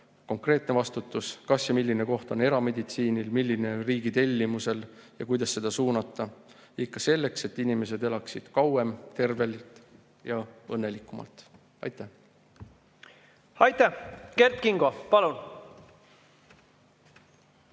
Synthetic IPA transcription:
ko̞ŋkre̞ːt̪ne̞vɑst̪ut̪ːˑuskɑsjɑmilʲːine̞ko̞ht̪o̞ne̞ɾɑme̞d̪ʲit̪siːnilmilʲːine̞riːɡit̪e̞lʲːimuse̞ljɑ̰kujd̪̥ɑsːe̞d̪̥ɑsuːnɑt̪ːˑɑ | ikːɑse̞lːe̞kse̞t̪ːinime̞s̬e̞d̪e̞lɑksid̪̥kɑwe̞mt̪e̞rve̞lit̪ˑ | jɑɤnːe̞likːˑumɑ̰lt̪ˑ | ɑ̰jt̪ːˑæh | ɑjt̪æke̞rt̪̚kiŋɡopɑlun

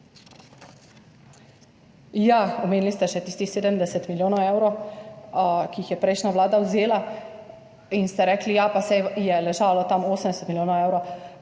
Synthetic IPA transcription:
jaɔmeːnlist̪ɛʃɛt̪iːst̪ixseːd̪əmd̪ɛsɛt̪miljoːnɔwewɾo | kiixjɛpɾɛjʃnaʋlaːd̪awzeːla | inst̪ɛɾɛːklijapasɛjɛlɛʒaːlɔt̪amoːsəmd̪ɛsɛt̪miljoːnɔwewɾo

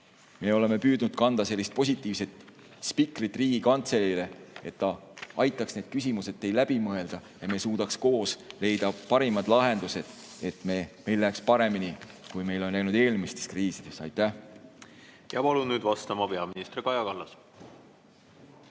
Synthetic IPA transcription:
me̞ːo̞le̞me̞pyːd̪nud̪̥kɑnd̪̥ɑse̞lːist̪̚po̞s̬ʲit̪ːˑiːvse̞t̪ | spikrit̪ːˑriːɡikɑnt̪se̞lile̞et̪ːɑʔɑjt̪ːˑɑksne̞ːd̪̥̚kysʲimuse̞d̪t̪ːe̞jlæb̥imɤe̞ld̪̥ɑjɑme̞ːsuːd̪̥ɑksko̞ːsle̞jd̪̥ɑpɑɾimɑd̪̥lɑɦe̞nd̪̥use̞d̪̥e̞t̪ˑmeːme̞jlːækspɑɾe̞minikujme̞jlo̞nːæjnud̪e̞ːlmist̪e̞̥skriːsid̪̥e̞sɑ̰jt̪ˑːæh | jɑpɑlunnyːd̪vɑst̪ɑmɑpe̞ɑminist̪rikɑjɑkɑlːɑs

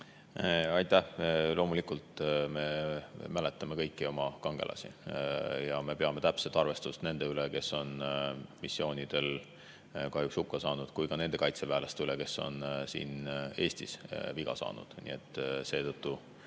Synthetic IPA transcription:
ɑjt̪ːˑæhlʔo̞ːmulikˑult̪me̞mæle̞t̪ːˑɑme̞kɤ̞jkːˑio̞mɑkɑŋɡ̥e̞̰lʔɑ̰sḭ | jɑme̞pe̞ɑme̞t̪æpset̪ˑɑrve̞st̪ust̪ne̞nd̪eyleke̞so̞nmisːio̞ːnʲid̪̥e̞l | kɑɦhjukshukːɑsɑːnud̪̥kujkɑne̞nd̪e̞kɑjt̪se̞væːlest̪yleke̞sːo̞̰nsḭːne̞ːsʲt̪isviɡ̥ɑ̰sɑ̰ːnṵd̪̥nḭe̞t̪ːˑse̞ːt̪ɤt̪ˑːu

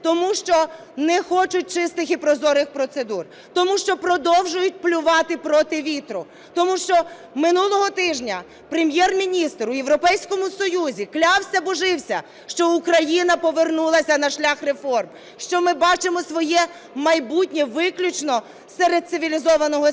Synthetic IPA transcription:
t̪ɔmuʃt͡ʃɔ | nɛxɔt͡ʃʊt̚ʲt͡ʃɪst̪ɪxipɾɔzɔɾɪxpɾɔt̪sed̪ur | t̪ɔmuʃt͡ʃɔpɾɔd̪ɔwʒʊjʊt̚ʲplʲʊʋɑt̪ɪpɾɔt̪ɪʋʲit̪ɾʊ | t̪ɔmuʃt͡ʃɔ | mɪnulˠɔɦɔt̪ɪʒnʲɐ | pɾemʲjɛrmʲinʲist̪ɾʊjewɾɔpɛjsʲkɔmʊsɔjuzʲiklʲɑwsʲɐbɔʒɪwsʲɐ | ʃt͡ʃɔukɾɐjinɐpɔʋernulˠɐsʲɐnɐʃlʲɑxrefɔrm | ʃt͡ʃɔmɪbɑt͡ʃemɔsʋɔjɛ | mɐjbutʲnʲɛʋɪklʲʊt͡ʃnɔ | sɛɾed̪̚sɪʋʲilʲizɔʋɐnɔɦɔ

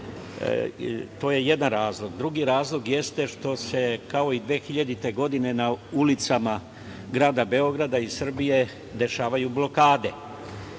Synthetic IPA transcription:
t̪o̞ːje̞je̞d̪anɾaːzlˠo̞ɡd̪ɾuɡiɾaːzlo̞ɡje̞st̪e̞ʃt̪o̞se̞kao̞id̪ʋe̞ːxiʎad̪it̪e̞ɡo̞d̪ine̞naulit̪sama | ɡɾaːd̪abe̞o̞ɡɾad̪aisr̩bije̞ | d̪e̞ʃaːʋajublo̞kaːd̪e̞

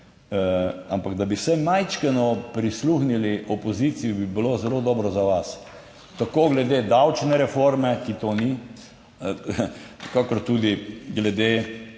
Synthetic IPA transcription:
ampaɡd̪abisɛmajt͡ʃkɛnɔpɾisluxniliʔɔpɔzit̪sijibibilozɛloːd̪ɔːbɾɔzaʋas | t̪akoːɡlɛd̪ed̪awt͡ʃnɛɾɛfoɾmɛkit̪oːni | kakɔɾt̪ud̪iɡlɛd̪eː

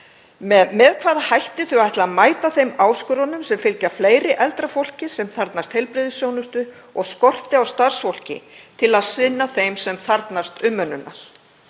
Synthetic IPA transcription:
mɛðkʰvaːðahajht̪ɪθʏaajht̪lamaːjt̪aθejmaːwskʏɾɔnʏmsɛmfɪlcafleːjɾɪʔɛlt̪ɾafowl̥cɪsɛmθaɾt̪nast̪hejlpɾɪðʏsjownʏst̪ʏ | ɔɣskɔr̥t̪ɪawst̪ar̥sfowl̥cɪ̰t̪ʰɪlaðsɪnːaθejmsɛmθaɾt̪nast̪ʏmːœnːʏnːa̰l̥

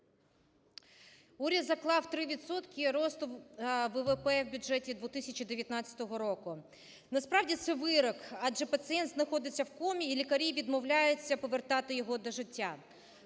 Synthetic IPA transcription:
uɾʲɐd̪zɐklˠɑwt̪ɾɪʋʲit̪sɔt̪kʲiɾɔst̪ʊʋɛʋepɛwbʲʊʒɛtʲid̪ʋɔt̪ɪsʲɐt͡ʃid̪eʋʲjɐt̪nɑt͡sʲːɐ̥t̪ɔɦɔɾɔkʊ | nɐspɾɑwdʲit̪sɛʋɪɾɔkɑd͡ʒɛpɐt̪sɨɛnt̪znɐxɔd̪ɪt͡sʲːɐwkɔmʲiːlʲikɐɾʲiʋʲid̪mɔwlʲajʊt͡sʲːɐpɔʋert̪ɑt̪ɪjɔɦɔd̪ɔʒɪtʲːa

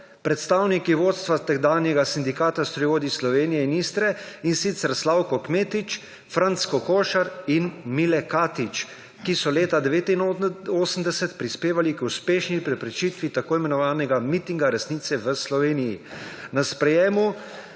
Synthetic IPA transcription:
pɾɛt̪st̪aːwnikiʋoːt̪st̪ʋat̪ɛɡd̪aːnjɛɡasind̪ikaːt̪ast̪ɾiʋoːd̪islɔʋeːnijɛiniːst̪ɾɛinsit̪sɛɾslawkɔkmeːt̪it͡ʃ | fɾant̪skɔkoːʃaɾinmilɛkaːt̪it͡ʃ | kisɔleːt̪ad̪ɛʋeːt̪inoːsəmd̪ɛsɛt̪pɾispeːʋalikuspeːʃnipɾɛpɾɛt͡ʃit̪ʋit̪akoːimɛnɔʋaːnɛɡamit̪iŋɡaɾɛsnit̪sɛʋəslɔʋeːnijinaspɾɛjeːmu

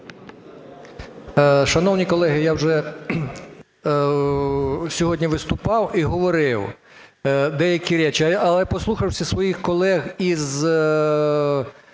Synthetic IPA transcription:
ʃɐnɔwnʲikɔlˠɛɦɪjawʒɛ | sʲɔɦɔdʲnʲiʋɪst̪ʊpɑwiɦɔʋɔɾɪw | d̪ɛjɐkʲiɾʲɛt͡ʃɪɐlˠɛpɔslˠuxɐwsʲɐsʋɔjixkɔlˠɛɣiz

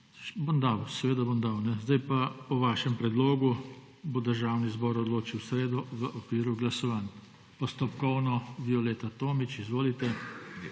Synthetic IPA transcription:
bomd̪awsɛʋeːd̪abomd̪awnɛzd̪ajpapɔʋaːʃɛmpɾɛd̪loːɡu | bod̪əɾʒaːwnizbɔɾɔd̪loːt͡ʃiwsɾeːd̪ɔʋəʔɔkʋiːɾuɡlasɔʋan | pɔst̪ɔpkɔwnɔbiɔleːt̪at̪oːmit͡ʃizʋoːlit̪ɛ

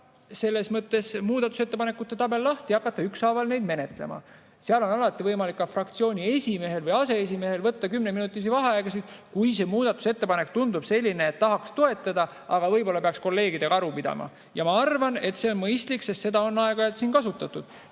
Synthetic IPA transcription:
se̞lːe̞smɤt̪ːˑe̞smuːd̪ɑt̪ːˑu̥se̞t̪ːe̞pɑne̞kːˑut̪ːe̞t̪ɑbe̞lːɑht̪iɑkːˑɑt̪ːˑɑyksɑːvɑlne̞jd̪me̞ne̞t̪le̞̰mɑ̰ | seɑlo̞nɑlɑt̪ˑːivɤjmɑlikːɑfrɑkt̪sio̞ːnʲie̞sʲime̞ɦe̞lvɤjɑse̞es̬ime̞he̞lvɤt̪ːɑkymneminut̪ːˑis̬ivɑɦeɑeɡ̥ɑsid̪̥kujse̞muːd̪̥ɑt̪ːˑu̥set̪ːe̞pɑne̞kt̪und̪ub̥se̞lʲːineːt̪ːɑɦɑkst̪o̞e̞t̪ːˑɑd̪ɑ | ɑɡ̥ɑvɤjbo̞lːɑpeɑksko̞lːe̞ːɡid̪eɡɑɑɾupid̪̥ɑ̰mɑ̰ | jɑmɑɑrvɑne̞t̪se̞o̞nmɤjst̪liksest̪se̞d̪̥ɑo̞nːɑeɡ̥ɑɑlt̪siːnkɑsut̪ːˑɑt̪ːˑud̪̥

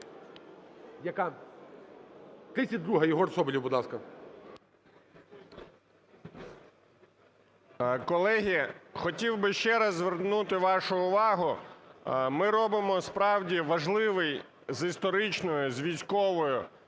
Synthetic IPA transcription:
jɐka | t̪ɾɪsʲɐd̪ɾuɦɐjɔɦɔɾsɔbɪlʲiwbʊd̪lˠɑskɐ | kɔlˠɛɦʲixɔtʲiwbɪʃt͡ʃɛɾɐzːʋernut̪ɪʋɑʃʊʊʋɑɦʊ | mɪɾɔbɪmɔspɾɑwdʲiʋɐʒlˠɪʋɪj | zist̪ɔɾɪt͡ʃnɔjʊzʲʋʲijsʲkɔʋɔjʊ

